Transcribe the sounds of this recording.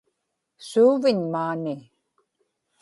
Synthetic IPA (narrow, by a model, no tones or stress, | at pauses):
suːvɪɲmaːni